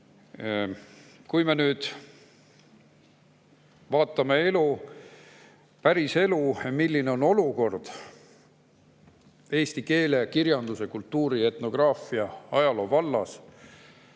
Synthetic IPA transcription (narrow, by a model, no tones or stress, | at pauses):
kujme̞nyːd̪̥ | vɑːt̪ːˑɑme̞e̞lu | pæɾise̞lumilːine̞o̞no̞luko̞rd̪̥ | e̞ːst̪ike̞ːle̞kiɾjɑnd̪̥use̞kult̪ːuːɾie̞t̪no̞ɡ̥rɑːfiɑɑjɑlo̞vɑlːɑ̰s